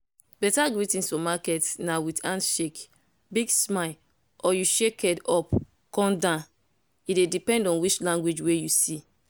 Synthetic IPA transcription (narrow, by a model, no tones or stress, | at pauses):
bɛtaɡɹitĩnsfɔ̃makɛtnawitãntʃek | biɡsmaɪ | ɔjuʃekɛdɔp | kɔ̃ndã | idedipɛ̃ndɔ̃nwit͡ʃlãŋɡwed͡ʒwejusi